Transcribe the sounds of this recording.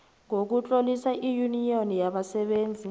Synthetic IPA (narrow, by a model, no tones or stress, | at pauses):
ŋok̬ut͡ɬʼolisaʔijunionijaɓasɛɓeːnd͡zʱi